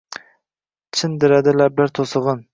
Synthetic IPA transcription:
t͡ʃʰɪnd̪ɪɾad̪ɪlablaɾt̪ʰosɨʁɨn

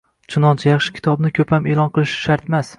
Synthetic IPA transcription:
t͡ʃʰʊnɒnt͡ʃʰajɑχʃɪ̥kʲʰɪ̥t̪ʰɒbnɪkʲʰɵpʰame̞lˠɒnqʰɨlˠɪʃʃaɾt̪mas

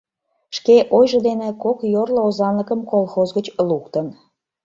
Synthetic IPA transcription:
ʃkeʔojʒəd̪enekokjorloozɑnləkəmkolˠxozɣət͡ɕlukt̪ən

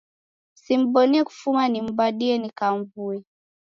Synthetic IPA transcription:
sim̩ɓɔniɛku̥fumanim̩baɗiɛnikaɱvuɛ

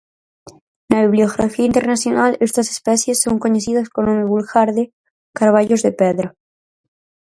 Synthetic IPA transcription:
naβiβlioɣɾafiaint̪eɾnasjo̞nalest̪ase̥spesjesːo̞ŋko̞ɲesiðaskonomeβulɣaɾðe | kaɾβaʎozðepeðɾa

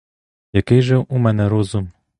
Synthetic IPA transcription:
jakɪjʐɨwʔumɛnɛɾɔzum

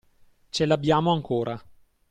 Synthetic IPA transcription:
t͡ʃelabjaːmoaŋkʰoːɾʔa

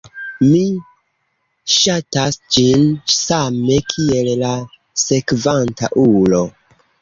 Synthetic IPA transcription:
mi | ʃatasd͡ʒinsame̞kʰie̞lla | se̞kvanta̰ʔulo̞

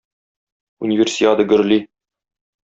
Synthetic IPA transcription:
unʲivʲersʲiat̪ɤɡɵ̆ɾli

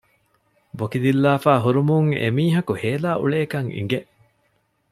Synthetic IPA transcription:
bokid̪ilːaːfaːɦuɾumuŋḛmiːɦɐkuheːlaːʔṵɭeːkɐŋḭŋɡeʔ

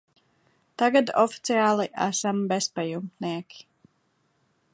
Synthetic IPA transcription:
t̪aɡad̪ɔfi̥t̪siaːlˠiʔæ̰sambespajumniɛkʲi̥

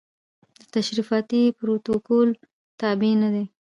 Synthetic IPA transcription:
d̪ət̪aʃɾifɑt̪ipɾok̪t̪okol | t̪ɑbenad̪e

